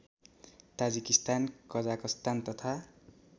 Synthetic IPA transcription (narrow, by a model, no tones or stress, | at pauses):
t̪ad͡zikist̪ankʌd͡zakʌst̪ant̪ʌt̪ʰa